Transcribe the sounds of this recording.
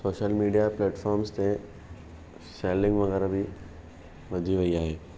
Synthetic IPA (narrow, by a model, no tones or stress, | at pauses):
soːʃəlmiːɖijapleːʈfɔːɾmst̪ẽ | seːlɪ̃ŋɡʋɐɣɛːɾabʱi | ʋɐd̪ʱiʋɐiaːɦeː